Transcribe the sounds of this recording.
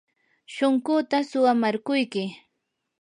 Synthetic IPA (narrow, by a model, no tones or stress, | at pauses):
ʃoŋɢʊt̪asʊwamaɾkʊjkɪ